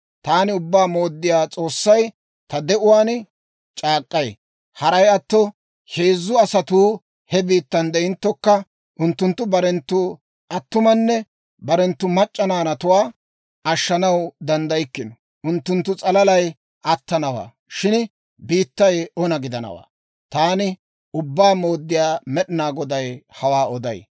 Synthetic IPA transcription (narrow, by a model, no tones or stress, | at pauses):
t̪aːnɪʊbːaːmo̞ːd̪ːɪjaːt͡sʼo̞ːsːɐj | t̪ɐd̪ɛʔʊwaːn | t͡ʃʼaːkʼːɐj | hɐɾɐjɐt̪ːɔ | heːzːʊɐsɐt̪uː | hɛbiːt̪ːɐnd̪ɛɪnt̪ːɔkːɐ | ʔʊnt̪ːʊnt̪ːʊbɐɾɛnt̪ːʊ | ʔɐt̪ːʊmɐnːɛ | bɐɾɛnt̪ːʊmɐt͡ʃʼːɐnaːnɐt̪ʊwaː | ɐʃːɐnɐwd̪ɐnd̪ɐjɪkːɪnɔ | ʊnt̪ːʊnt̪ːʊt͡sʼɐlɐlɐj | ʔɐt̪ːɐnɐwa̰ː | ʃɪn | biːt̪ːɐjɔnɐɡɪd̪ɐnɐ̰wa̰ː | t̪aːnɪ | ʊbːaːmo̞ːd̪ːɪjaːmɛɗɪnaːɡɔd̪ɐjhɐwaːɔd̪ɐ̰j